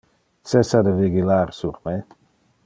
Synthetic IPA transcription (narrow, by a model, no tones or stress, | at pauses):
t̪sesad̪əviɡilaɾsuɾme